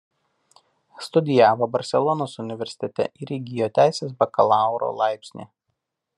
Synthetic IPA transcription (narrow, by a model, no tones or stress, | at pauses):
st̪ʊd̪ʲɪjæːʋɐbɐɾʲsʲɛlˠɔnoːsʊnʲɪʋʲɛɾʲsʲɪ̥t̪ʲɛt̪ʲɛ̰ʔɪɾʲɛɡʲɪjoːt̪ʲæˑɪsʲeːs̬bɐkɐlˠɑˑʊɾo̰lˠɑˑɪpʲsʲnʲḛː